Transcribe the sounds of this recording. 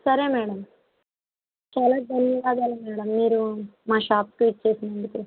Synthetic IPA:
sɐɾeːmɛːɽɐm | t͡ʃaːlaːɖ̪ɐnːiʋaːɡ̪aːlɐmɛːɽɐmːiːɾumaːʃaːpʈʋiːʈ̚t͡ʃe̞ːsinɐɳɖit̪e

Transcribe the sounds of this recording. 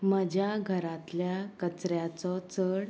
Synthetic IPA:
məd͡ʑʱjaɡʱəɾãt̪ljakət͡sɾjat͡sɔt͡səɽ

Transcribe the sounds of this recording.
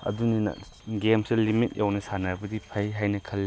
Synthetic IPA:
ɐ̰duninɐ̰ | ɡemselimit̚jʔawnɐsanaɾbɐdipʰajɦajnɐkʰɐlːi

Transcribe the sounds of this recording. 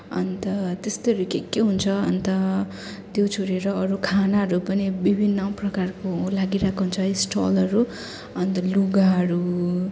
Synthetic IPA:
ʌ̰nt̪ʌt̪est̪eʌɾukekeɦunt͡sʰʌʌ̰nt̪ʌ | t̪jot͡sʰoɾieɾʌʌɾukʰanaɦʌɾupʌnibibʱinːʌprʌkarkolaɡiɾakoɦunt͡sʰʌesʈʌ̰lʌɾu | ʌnt̪ʌluɡaɦʌɾu

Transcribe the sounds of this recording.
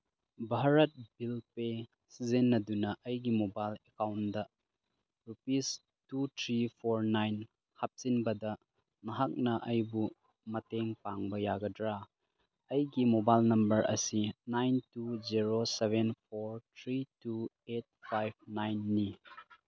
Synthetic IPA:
bʱaɾɐt̚bilpe | sizenːɐdunɐʔɐjɡimobajlekawndɐ | ɾupis | tutʰɾipʰoɾnajn | hap̚sinbɐdɐ | mɐɦak̚nɐʔɐjbu | mɐteŋpaŋbɐjaɡɐdɾa | ɐjɡimobajlnɐmbɐɾʔɐ̰sinajntuziɾosebenpʰoɾt̪ʰɾitu | et̚pʰajb̚najnːi

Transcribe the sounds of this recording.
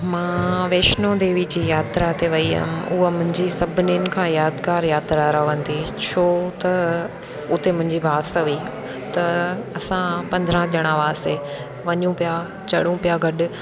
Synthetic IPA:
mãːʋeːʃnod̪eːʋid͡ʑiːjaːt̪ɾat̪eʋɐiɦɪ̰nɪ̆ʊɦəmʊ̃ɦɪ̃ɲd͡ʑisɐbʱɪninɪ̆kʰãːjaːd̪kaːɾjaːt̪ɾaɾɐʋə̃nd̪it͡ɕʰoːt̪ɐ | ʊt̪emʊ̃ɦɪ̃ɲd͡ʑibaːsaʋiː | t̪ɐɐsãpɐ̃nd̪əɾãʄɐɽ̃ãʋaːse | ʋɐɲũpija | t͡ɕɐɽũpijaɡɐɗʊ̆

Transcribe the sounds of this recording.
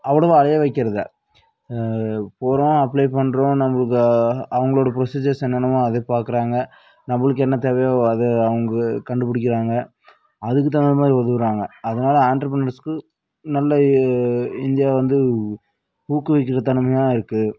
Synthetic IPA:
ɐʋːɐɭɐʋoɐlɐjɐʋɐɪkːɪɾɐðɯ | poːɾõãɐpːlɐɪpɐɳːɾõːnɐmːɐɭɯk̬ːɯɐʋɐŋɡɐɭoːɽɐp̬ɪɾɔsiːd͡ʒɐɾsɛnːɐnɐmãɐðepaːɾkɯɾaːŋɡɐ | nɐmːɐɭɯk̬ːɛnːɐt̪ɛʋɐjaɐðɯɐʋɐŋɡɐkɐɳɖɯpɐɽɪk̬ːɪɾaːŋɡɐ | ɐðɯk̬ːɯt̪ːaːnnɯmaːd̪ɾiʋɐðɯɾaːŋɡɐɐðɯnaːlɐaːɳʈɐɾɐpɾɐnɐɾskɯ | nɐlːɐ | ɪnd̪ɪjaːʋɐnd̪ɯ | huːkːɯʋɐɪk̬ːɪɾɐt̪ɐɳɯmɐjãːɪɾɯkːɯ

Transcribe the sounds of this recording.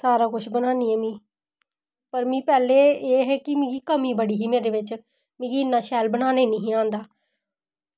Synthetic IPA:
saːɾaːkʊʃʰbənaːniːɛːmĩː | pəɾmĩːpɛːleːeːɦɛːkɪmɪ̃ɡiːkəmĩːbəɽiːɦiːmeːɾeːʋɪt͡ʃ | mɪ̃ːɡiːɪnːãːʃɛːlbənaːneːnəɦĩːãːnd̪aː

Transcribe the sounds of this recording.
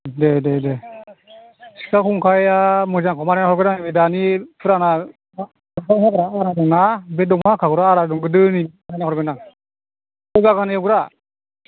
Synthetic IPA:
dededɛ | si̥kakʰuŋkʰajamɔzaŋkʰɔmaɾanahɔɾɡɯnaŋbɛdanipʰɯɾana | a | sɔŋɦakɔɾaaɾadɔŋnabɛdɔŋhakʰakuɾaaɾadɔŋɡɯdɯnimaɾanahɔɾɡɯnaŋ | ɔɡakanaawɡɾa

